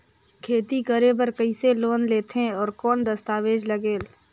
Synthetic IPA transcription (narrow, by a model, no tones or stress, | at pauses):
kʰeːt̪ikəɾebəɾkəiseloːnleːt̪ʰẽɔːɾkɔːnd̪əst̪aːʋeːd͡ʒləɡeːl